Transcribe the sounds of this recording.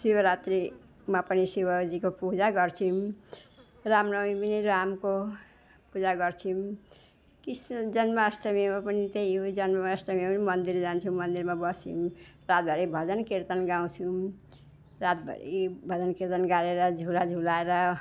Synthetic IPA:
sibʌɾat̪ɾi | mapʌnisibʌd͡zikopud͡zaɡʌrt͡sʰim | ramrʌwmiminiɾamko | pud͡zaɡʌrt͡sʰim | kisd͡zʌnmaʌsʈʌmjmapʌnit̪ejɦod͡zʌnmamaʌsʈʌmipʌnimʌnd̪ird͡zant͡sʰumʌnd̪irmabʌsḭm | rat̪̚bʱʌɾibʱʌd͡zʌnkirt̪ʌnɡaw̃t͡sʰum | rat̪̚bʱʌ̰ɾḭbʱʌd͡zʌnkiɾt̪ʌnɡaɾeɾʌd͡zʱulad͡zʱulaeɾʌ

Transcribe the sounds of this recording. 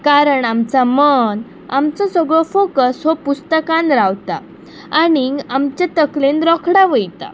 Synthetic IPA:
kaɾəɳamt͡samən | amt͡sɔsɔɡɭɔfokəsɦɔpust̪əkãnɾaʋt̪a̰ː | ɽ̃iɡamt͡ɕjat̪əklenɾɔkʰɽaʋəjt̪a̰

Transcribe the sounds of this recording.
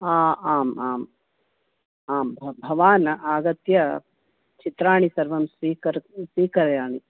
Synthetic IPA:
aːaːmaːm | aːmʱbʱɐʋaːnɐʔaːɡɐt̪jɐ | t͡ʃit̪ɾaːɳisɐɾʋɐmsʋiːkɐɾsʋiːkɐɾjaːɳi

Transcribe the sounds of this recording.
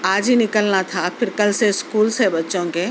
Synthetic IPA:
aːd͡ʒɦinɪkəlnat̪ʰapʰɪɾkɐlseskuːlsebɐtːʃõke

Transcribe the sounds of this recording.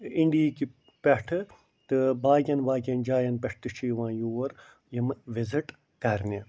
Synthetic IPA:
iɳɖiːki | pɛʈʰɨ | t̪ɨbaːɡʲɐnbaːɡʲɐnd͡ʒaːjɐnpʲeʈ̚ʰt̪ɨʃʰiːʋãːjuːɐɾ | jɐmʋiziʈ | kɐɾnʲe

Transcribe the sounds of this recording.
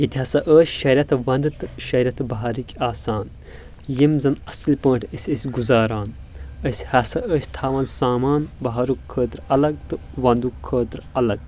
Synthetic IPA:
jit̪ʲiɦɐsɐʔəːsʲʃɐɾʲɐt̪ʰʋɐnd̪ɨt̪ɨʃɐɾʲɐt̪bɐɦaːɾikʲaːsaːn | jimzɐnɐslʲpə̃ːɳʈʰəsʲəsʲɡuzaːɾaːn | əsʲhɐsɐʔəːsʲt̪ʰaːʋaːnsaːmaːnbɐɦaːɾukʰːəːt̪ɾɐlɐɡ̚t̪ɨ | ʋɐ̃nd̪ukkʰːəːt̪ɾɐlɐɡ̚

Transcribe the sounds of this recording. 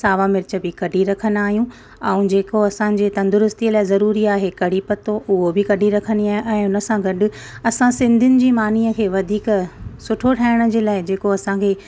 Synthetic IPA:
saːʋamɪɾɪt͡ɕə̆bɪkɐɖʱiɾɐkʰənaːɦijũ | ɐ̃ũd͡ʑeːkoɐsãd͡ʑeːt̪ɐ̃nd̪ʊɾʊst̪iəlaːɪzɐɾuːɾiaːɦekɐɽ̤ipɐt̪oʔʊɦobɪkɐɖʱiɾɐkʰəniaːɦʔɛ̃ʊnə̆sãɡɐɖʊ̆ | ɐsãsɪ̃nd̪ʱʊnɪ̆d͡ʑiːmaːniːəkʰeːʋɐd̪ʱiːksʊʈʰoʈʰaːɪɽ̃ə̆d͡ʑeːlaːɪd͡ʑeːkoɐsãkʰeː

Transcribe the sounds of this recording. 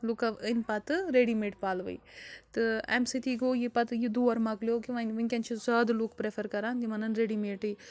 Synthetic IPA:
lukɐʋənpɐt̪ɨɾeɽimeːʈpaːlʋɨ̰jt̪ɨḛmsit̪iɡoːjipɐt̪jid̪uːɐɾmɐɡljokiʋɐnʲʋɨnʲkʲɐnt͡ʃʰizaːd̪lukpɾepʰɐɾkɐɾaːnt̪imɐnɐnɾeːɽimeːʈɨj

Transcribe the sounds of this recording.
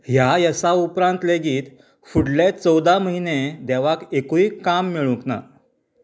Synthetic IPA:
ɦjajəsaupɾãnt̪leɡiːt̪ | fuɽlet͡səwd̪aməɦined̪eʋakekuiːkːamːiɭũkna̰

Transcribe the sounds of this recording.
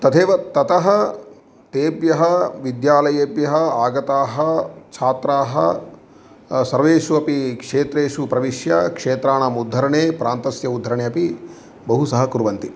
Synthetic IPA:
t̪ɐt̪ʰeːʋɐt̪ɐt̪ɐɦɐ | t̪eːbjɐɦɐʋid̪jaːlɐjeːbjɐɦɐaːɡɐt̪aːɦɐt͡ʃʰaːt̪ɾaːɦɐ̰ | sɐɾʋeːʂuɐpikʂeːt̪ɾeːʂupɾɐʋiʂjɐ̰kʂeːt̪ɾaːɳɐmud̪ʱːɐɾɐɳeːpɾʔaːnt̪ɐsjɐud̪ʱːɐɾɐɳeːɐpi | bɐɦusɐɦɐkuɾʋɐnt̪i

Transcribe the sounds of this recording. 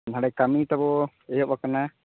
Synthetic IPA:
nɦaɽajkamit̪abɔ | ɛjɔbakana

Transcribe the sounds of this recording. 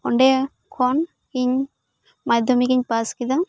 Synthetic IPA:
ɔɳɖe | kʰɔn | kiɲ | mad̪ʱɔmikiɲpaskid̪a

